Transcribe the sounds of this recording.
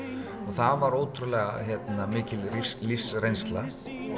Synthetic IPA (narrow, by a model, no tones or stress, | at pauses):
ɔɣθavaɾoːwt̪ʰɾʏlɛːɣa̰çɛt̪namɪːcɪlɾflifsrejnst̪la